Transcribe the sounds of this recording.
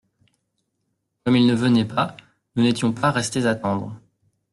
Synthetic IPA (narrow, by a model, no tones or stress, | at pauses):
kɔmilnəvənɛpa | nunet̪jɔ̃paʁɛst̪ezat̪ɑ̃d̪ʁ